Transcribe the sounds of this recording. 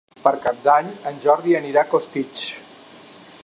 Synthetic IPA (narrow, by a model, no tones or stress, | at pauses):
pəɾkap̚d̪aɲənʲʒɔɾðiəniɾakost̪it͡ʃ